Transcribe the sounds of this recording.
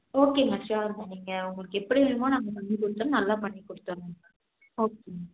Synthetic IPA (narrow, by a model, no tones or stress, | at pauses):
oːkeːmɐt͡ʃaːɾɯnɐniːŋɡɐʊŋɡɐɭɯkːɛpːɐɽiʋɐɳmãːnaːŋɡɐpɐɳːikɔɽɯt̪ːɐːnnɐlːaːpɐɳːikːɔɽɯt̪ːɐʋɐɾẽa | oːkema